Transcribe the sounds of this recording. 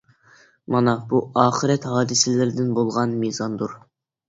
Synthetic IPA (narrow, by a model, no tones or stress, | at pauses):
mɑnɑbuɑːχəɾɛt̪hɑːd̪ɨsɪlɪɾd̪ɪnbolˠʁɑnmizɑnd̪uɾ